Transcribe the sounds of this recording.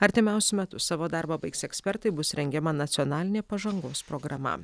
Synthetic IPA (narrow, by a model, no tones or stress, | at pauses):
ɐɾʲt̪ʲɪmʲɛˑʊsʲʊmʲɛt̪ʊsɑːʋoːd̪ɑɾbɐbɐɪksɛksʲpʲɛɾt̪ɐɪbʊsɾʲɛŋʲɡʲɛmɐnɐt̪sʲiɔnɑːlʲɪnʲeːpɐʒɐŋɡoːspɾoːɡɾɐmɐ̰